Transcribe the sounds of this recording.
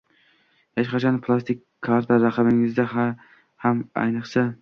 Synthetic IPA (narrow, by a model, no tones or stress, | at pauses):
heʃqɑt͡ʃʰanpʰlˠast̪ɪkʲʰːaɾt̪ʰaɾaqʰɑbɪŋɪzd̪aha | hama̰jnɨqsa